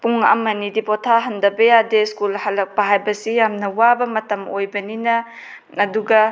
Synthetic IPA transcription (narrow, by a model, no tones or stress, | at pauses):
puŋa̰mɐnidipɔtʰaɦɐndɐbɐjadeskulhalɐk̚pɐɦajbɐsijamnɐwabɐmɐtɐmojbɐninɐ | ɐduɡɐ